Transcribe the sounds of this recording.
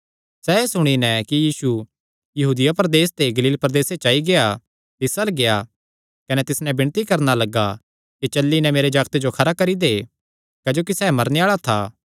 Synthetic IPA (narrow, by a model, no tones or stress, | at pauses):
sɛeːsʊɽ̃inɛ̃kijiːsu | jɐɦuːd̪ɪjapɐɾd̪eːst̪eɡɐliːlpɾd̪eːset͡ʃaːiɡea | t̪ɪsəlɡeja | kɐnɛt̪ɪsnɛbɪɽ̃t̪ikɐɾnalɐɡa | kit͡ʃɐlːinɛmeːɾed͡ʒaːɡt̪ed͡ʒokʰɐɾakɐɾid̪e | kɐd͡ʒoːk̬isɛːmɐɾneaːɭat̪ʰaː